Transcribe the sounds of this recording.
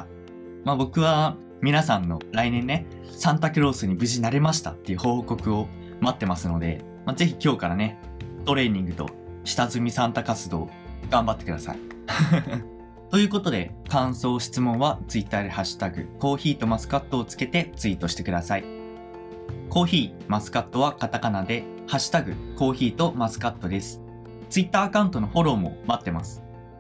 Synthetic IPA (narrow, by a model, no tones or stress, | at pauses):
mabo̞kɯ̟βa | mʲinasãnːo̞ɾainẽ̞nːe̞ | sãnt̪akɯ̟ɾo̞ːsɨɲ̟ibɯ̟ʑinaɾe̞maɕ̬i̥t̪a̰t̪ːe̞jɯ̟ho̞ːko̞kɯ̟o̞ | mat̪ːe̞masɨno̞d̪e̞̰ | maze̞çikʲo̞ːkaɾane̞ | t̪o̞ɾe̞ːɲ̟ĩŋɡɯ̟t̪o̞̰ | ɕi̥t̪azɨmʲisãnt̪akat͡sɨd̪o̞ː | ɡ̥ãmbat̪ːe̞kɯ̟d̪asa̰i | t̪o̞jɯ̟ːko̞t̪o̞d̪e̞̰kãɰ̃so̞ːɕi̥t͡sɨmõ̞ɰ̃βat͡sɨit̪ːaːd̪ehaɕi̥t̪aɡɯ̟̰ko̞ːçiːt̪o̞masɨ̥kat̪ːo̞ːt͡sɨ̥ke̞t̪e̞t͡sɨiːt̪o̞ɕi̥t̪e̞kɯ̟d̪asai | ko̞ːçiː | masɨ̥kat̪ːo̞βakat̪akanad̪e̞ | haɕi̥t̪aɡɯ̟ko̞ːçiːt̪o̞masɨ̥kat̪ːo̞d̪e̞sɨ̥ | t͡sɨit̪ːaːkãɯ̟nt̪o̞no̞ho̞ɾo̞ːmo̞̰mat̪ːe̞masɨ̥